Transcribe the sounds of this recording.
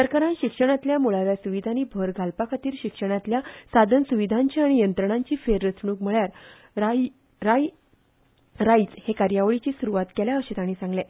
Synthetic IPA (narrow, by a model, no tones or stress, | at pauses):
səɾkaɾãnɕikʂəɽ̃at̪ljamuɭaʋjasuʋid̪ʱaniːbʱəɾɡʱalpakʰat̪iːɾɕikʂəɽ̃at̪ljasad̪ʱənsuʋid̪ʱaɲt͡ɕiaɽ̃ijənt̪ɾəɳ̃ãɲt͡ɕiːfeɾːət͡sɳuːkm̤əɭjaɾ | a | ɾaj | ɾait͡shekaɾjaʋɭit͡ɕiːsuɾuʋat̪keljaəɕet̪aɽ̃iːsãŋɡle